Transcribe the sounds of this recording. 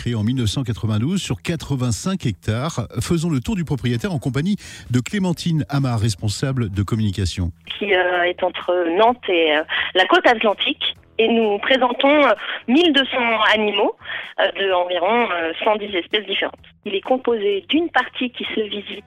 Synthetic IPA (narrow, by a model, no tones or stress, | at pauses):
χeeɑ̃milnəfsɑ̃k̬at̪χəvɛ̃d̪uzsyʁkat̪χəvɛ̃sɛ̃kɛk̚t̪aʁfəzɔ̃lət̪uʁd̪ypχɔpχijet̪ɛʁɑ̃kɔ̃paɲid̪əklemɑ̃t̪ʰinamaʁɛspɔ̃sabld̪əkɔmynikasjɔ̰̃kʲʰiøɛt̪ɑ̃t̪χənɑ̃t̪eølakot̪at̪lɑ̃t̪ʰik | enupχezɑ̃t̪ɔ̃ømild̪əsɑ̃animoød̪əɑ̃viʁɔ̃øsɑ̃d̪izɛspɛsd̪ifeʁɑ̰̃t̪ilɛkɔ̃pozed̪ynpaʁt̪ʰikʲisəvizi